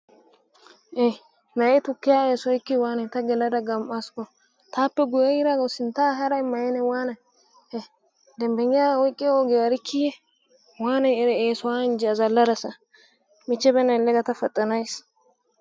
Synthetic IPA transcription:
ʔe | nɐʔɛt̪ʊkːɪjaːeːsɔjkːɪwaːnɐjt̪ɐɡɛlɐd̪ɐɡɐmʔaskːɔ | t̪aːpːɛɡʊjɛjɪɾaɡɔsɪnt̪aːɦɐɾɐɪmːɐjɪnɛwaːnɐj | d̪ɛmbɛŋːɪjaːwɔjɪkʼːɪoɡeɐɾɪkʰːijɛ | waːnɐjɛɾɛeːsɔwaːɪnd͡ʒɛɐzɐlːɐd̪ɐsɐ | mɪt͡ʃːɛbɛnɐjlːɛɡɐt̪ɐfɐt̪ʼːɐnɐjs

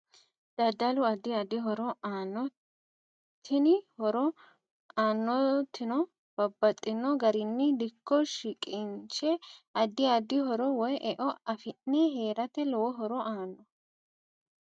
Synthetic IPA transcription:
d̪̥ɐd̪ɐlʊɐd̪ɪɐd̪ɪɦɔɾɔaːnːɔ | t̪ʰːɪnɪhɔɾɔ | aːnːɔt̪ːɪnɔ | b̥ɐbːɐt̪ʼːɪnːɔɡɐɾɪnːɪd̪ɪkːɔʃɪkʼɪnt͡ʃɛɐd̪ɪɐd̪ɪɦɔɾɔwɔjʔɛʔɔɐfɪnːɛɦeːɾɐt̪ɛlɔwɔɦɔɾɔʔaːnːɔ

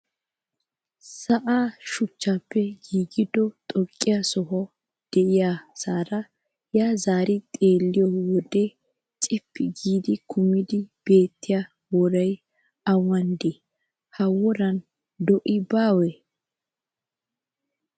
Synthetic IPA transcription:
sɐʔaːʃʊt͡ʃːaːpːɛɡiːɡɪd̪ɔt̪ʼɔkʼːɪjasɔɦɔ | d̪̥ɛʔɪjasaːɾɐ | jaːzaːɾɪt̪ʼeːlːɪjɔwɔd̪e | t͡ʃʼɪpːɪɡiːd̪ɪkʰʊmːɪd̪ɪb̥e̞ːt̪ːɪja | wɔɾɐj | ɐwɐnd̪ɪ | hɐwɔɾɐn | d̪ɔʔɪbaːwɛ

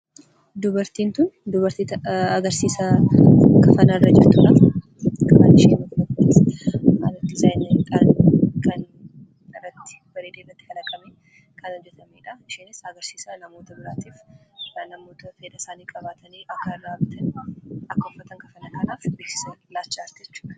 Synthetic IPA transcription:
d̪ʊbɐɾt̪iːnt̪ʊnd̪ʊβɐɾt̪iːt̪ɐːɡɐɾsiːsɐ | kɐfɐnɐrːɐd͡ʒɪɾt̪uːᶑɐ | kʼɐbanɪʃeːnɐkʊnɐk̪ːɪsɐlɐt̪ːɪzaːjnɐk̪ʼaːnkɐn | ɪrːɐt̪ːɪ̥ | bɐɾeːd̪erːɐt̪ːɪ̥fɐlɐkʼɐmeː | kʰɐnɔd͡ʒːɛt̪ɐmeːᶑɐʃeːnɪsɐɡɐɾsiːsɐnɐmo̞ːt̪ɐbɪɾaːt̪iːfnɐmo̞ːt̪ɐfeːd̪ɐsaːnikʼɐβaːt̪ʰɐniːʔɐkːɐraːbɪt̪ʰɐnɐkːɐʊfɐt̪ɐŋkɐfɐnɐkɐnaːfbeːksɪ̥senlaːt͡ʃːaːɾt̪d͡ʒɛt͡ʃːu̥ːᶑɐ̥

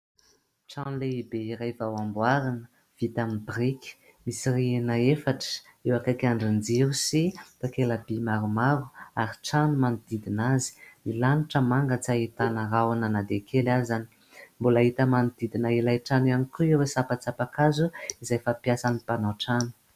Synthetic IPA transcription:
ʈ͡ʂãnleibeiɾajvawambwaɾanə̥ | v̥it̪amibriki̥ | misirienaefaʈ͡ʂə̥ | ewakakaɳɖ͡ʐind͡ziɾusit̪akelabimaɾumaɾuaɾiʈ͡ʂanumanud̪id̪inazi̥milaniʈ͡ʂəmaŋɡət͡sait̪anəɾawananad̪ekʰelazani̥ | mbolaɦit̪əmanud̪id̪inailajʈ͡ʂananikuewesapat͡sapakazuizajfapjasanipanaʈ͡ʂanu̥

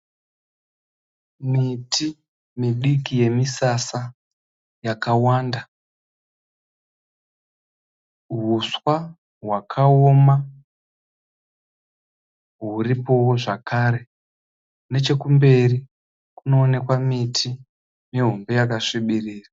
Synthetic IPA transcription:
mitʰi | miɗikije̞misasa | jakawanda | ɦuswa | ɦwakʰaoma | ɦuripo̞woʐakʰaɾe̞ | ne̞t͡ʃe̞kumbe̞ri | kuno̞ːne̞kwamitʰi | miɦombe̞jakaʂiɓiriːra

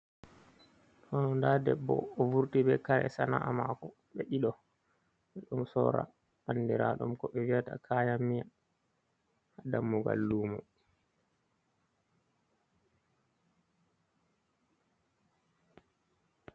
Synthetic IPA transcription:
tɔnɔndadɛbːɔ̰ːvuɾtibɛkaɾɛ̰sanaʔamakɔ | ɓɛʔiɗɔ | ɓɛɗumsɔɾa̰ | anːdiɾaɗumkɔɓɛwiata̰kʰaːjamːija | hadamːuɡa̰lːuːmɔ

